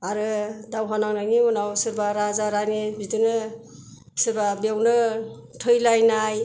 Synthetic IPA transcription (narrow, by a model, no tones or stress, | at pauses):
aɾɯdawɦanaŋnajniunawsɯɾbaɾazaɾanibidɯnɯ | sɯbabewnɯ | tʰɯjlajnaj